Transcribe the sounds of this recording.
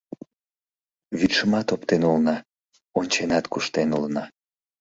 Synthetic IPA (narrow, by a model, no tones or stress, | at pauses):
βyt̪ʃəmɑt̪opt̪enulnɑ | onʲt͡ɕenɑt̪kuʃt̪enulnɑ